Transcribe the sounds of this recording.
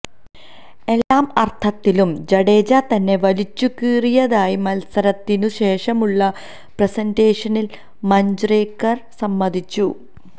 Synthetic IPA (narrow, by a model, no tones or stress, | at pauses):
e̞lːaːmɐrt̪ʰɐt̪ːilumd͡ʑɐɽe̞ːd͡ʑɐt̪ɐnːe̞ʋɐlit͡ɕːukiːrijɐðaːjimɐlsɐɾɐt̪ːinuɕe̞ːʂɐmuɭːɐ | presɐnde̞ːʂɐnil | mɐɲd͡ʑreːkːɐrsɐmːɐd̪ʱit͡ɕːu